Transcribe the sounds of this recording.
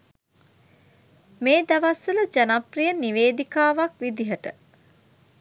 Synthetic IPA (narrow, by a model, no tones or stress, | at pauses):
meːd̪aʋasələd͡ʒanaprijəniʋeːd̪ikaːʋakʋid̪iɦəʈə